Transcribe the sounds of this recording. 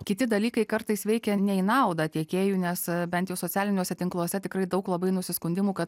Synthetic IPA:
kʲɪt̪ʲɪd̪ɐlʲiːkɐɪkɐrt̪ɐɪsʋʲɛɪkʲɛnʲɛɪnɐʊd̪ɐt̪ʲiɛkʲeːjuːnʲɛsbʲɛnt̪jɛʊsoːt͡sʲæːlʲɪnʲuːsʲɛt̪ʲɪŋklˠuɔsʲɛt̪ʲɪkɾɐɪd̪ɐʊklˠɐbɐɪnʊsʲɪskʊnʲd̪ʲɪmuːkɐt̪̚

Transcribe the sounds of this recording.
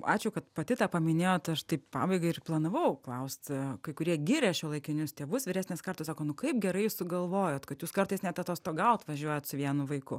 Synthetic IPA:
ɑ̰ːt͡ʃʲʊkɐt̪pɐt̪ʲɪt̪ɑːpɐmʲɪnʲeːjoːt̪ɐʃt̪ɐɪppɑ̰ːbɐɪɡɐɪɪrplˠɑnɐʋɐʊklˠɐʊsʲt̪ʲkɐɪkʊɾʲiɛɡʲiːɾʲɛːʃʲɛːlˠɐɪkʲɪnʲʊst̪ʲeːʋʊsʋʲɪɾʲæːsnʲeːskɐrt̪osɑːkoːnʊkɐɪp̚ɡʲɛɾɐɪjssʊɡɐlˠʋoːjoːt̪kɐt̪juːskɐrt̪ɐɪsnʲæt̪ɐt̪oːst̪oːɡɐlˠt̪ʋɐʒʲuɔjoːt̪sʊʋʲiɛnʊʋɐɪkʊ

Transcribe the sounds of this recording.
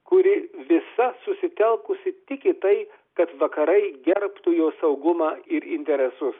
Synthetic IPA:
kʊɾʲɪʋʲɪsɐsʊsʲɪt̪ʲɛlˠkʊsʲɪt̪ʲɪkʲɪt̪ɐɪ | kɐt̪ʋɐkɐɾɐɪɡʲɛɾpt̪ujoːsɐʊɡʊmɑːɪɾɪnʲt̪ʲɛɾʲɛsʊs

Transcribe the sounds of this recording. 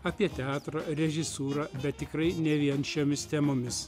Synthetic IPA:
ɐpʲiɛt̪ʲɛɑːt̪ɾɐɾʲɛʒʲɪsuːɾɑbʲɛt̪ːʲɪkɾɐɪnʲɛʋʲiɛnʃʲoːmʲɪst̪ʲɛmoːmʲɪs

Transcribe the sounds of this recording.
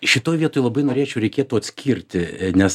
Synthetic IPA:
ʃʲɪt̪oːjʋʲiɛt̪oːjlˠɐbɐɪnoːɾʲeːt͡ʃʲɛʊɾʲɛɪkʲeːt̪uɐt̪sʲkʲʰiːɾʲt̪ʲɪnʲɛs

